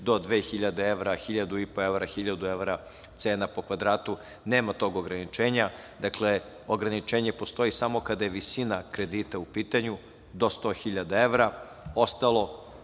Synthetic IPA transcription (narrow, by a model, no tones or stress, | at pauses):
d̪o̞d̪ʋeːxiʎad̪eeʋɾaxiʎad̪uipo̞eʋɾaxiʎad̪ueʋɾa | t̪se̞ːnapo̞kʋad̪ɾaːt̪u | ne̞ːmat̪o̞ɡo̞ɡɾanit͡ʃe̞ːɲa | d̪akle̞ | oɡɾanit͡ʃeːɲe̞post̪o̞jisamo̞kad̪ajeʋisinakɾe̞d̪iːt̪aupiːt̪aɲu | d̪o̞st̪o̞ːxiʎad̪aeʋɾa | o̞st̪alˠo̞